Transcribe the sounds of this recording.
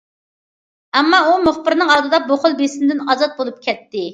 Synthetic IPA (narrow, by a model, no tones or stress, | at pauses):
ɛmːɑumʊχbɪɾnɪŋɑɾd̪ɨd̪ɑboχʊlˠbesɪnd̪ɪnɑzɑt̪̚bolˠup̚kʲʰɛt̪ːɪ